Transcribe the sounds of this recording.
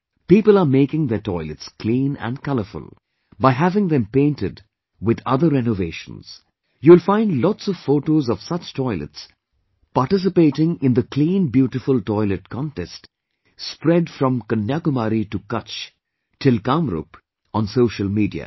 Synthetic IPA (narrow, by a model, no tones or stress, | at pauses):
piːpəlameɪkɪ̃ŋðətɔɪlɨtskʰlĩːnæ̰̃nkʌləfʊ̰lˠ | baɪɦævɪ̃ŋðɛ̃mpẽɪ̃ntɪd | wɪd̪ʌ̰ðəɾɛnoveɪʃə̰̃nz̥ | juɪlfãɪ̃ndlɔtsɔv̥foːʈoːzɔv̥sʌt͡ʃtʰɔɪlə̰ts | paɾʈɪs̬ɨpeɪʈɪ̃ŋɪ̃nd̪əkʰlĩːnbjuːʈɪfʊltɔɪlɨʈ̚kʰɔ̃ntɛst | spɾɛdfɾʌ̃mkənjakʊmaɾiʈukʌt͡ʃ | tʰɪlkãmɾṵp | ɔ̃nsoʊʃəlˠmiːdḭə̰